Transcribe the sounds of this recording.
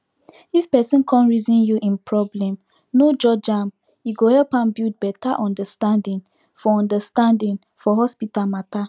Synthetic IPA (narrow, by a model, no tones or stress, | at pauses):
ifpɛsĩnkʰɔ̃nɹizĩnjuʔĩnpʰɹɔblɛ̃m | nod͡ʒɔd͡ʒãm | juɡohɛlpãmbid̚bɛtaʔɔ̃ndəstãndĩŋ | fɔɔ̃ndəstãndĩŋ | fɔɦɔspitalmata